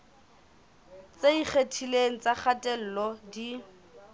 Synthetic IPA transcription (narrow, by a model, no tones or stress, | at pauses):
t͡seik͡xʰetʰileŋ̩t͡sʼaχʰatʼɛl̩ːlɔdi